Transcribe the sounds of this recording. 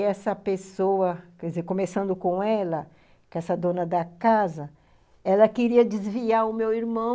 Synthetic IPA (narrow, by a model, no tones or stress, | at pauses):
ɛsɐpesowɐkɛɪzeɾkõmesɐ̃nd̪ʊkõɛlɐ | kɛsɐd̪õnɐd̪ɐkazɐ | ɛlɐkeɾiɐd͡ʒɪzviaɾʊmewiɾmɐ̃